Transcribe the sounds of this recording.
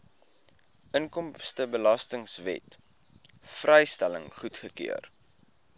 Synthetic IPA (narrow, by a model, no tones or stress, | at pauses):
ʔənkɔmstəbəlɐstəŋsvɛ̰t | frəjstæləŋχutχəkḭər